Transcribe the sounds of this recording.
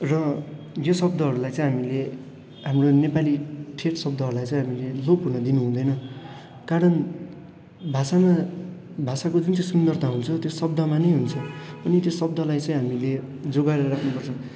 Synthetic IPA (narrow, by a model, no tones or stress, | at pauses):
rʌ | josʌb̚d̪ʌɦʌɾulajt͡sʌ̃ĩj̃ɦamile | ɦamronepaliʈʰeʈsʌb̚d̪ʱʌɦʌɾulajt͡sʌ̃ĩj̃ɦamileloɡ̚purnʌd̪inuɦũd̪ʌjnʌ | kaɾʌn | bʱasama | bʱasakod͡zunt͡sʌ̃sund̪ʌrt̪ʰaɦunt͡sʰʌt̪josʌb̚d̪ʱʌmanʌjɦunt͡sʰʌʌnit̪josʌb̚d̪ʌlajt͡sʌj̃ɦamile | d͡zoɡaeɾʌɾakʰnupʌrt͡sʰʌ